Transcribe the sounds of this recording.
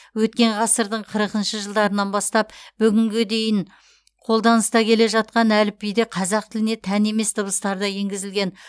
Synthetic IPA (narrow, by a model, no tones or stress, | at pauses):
wɵt̪̚kʲe̞ɴʁɑsəɾd̪əɴqʰəɾəqənʃəʒəlˠd̪ɑɾənɑnbɑst̪ɑpb̥ʏɡʲɪŋɡʲed̪e̞jɪn | qʰo̞lˠd̪ɑnəst̪ɑkʲʰe̞le̞ʒɑt̪̚qɑnælɪpijd̪eqʰɑzɑqt̪ʰɪlɪne̞t̪ʰæne̞me̞st̪ʰəbəst̪ɑɾd̪ɑje̞ŋɡʲɪzɪlɡʲe̞n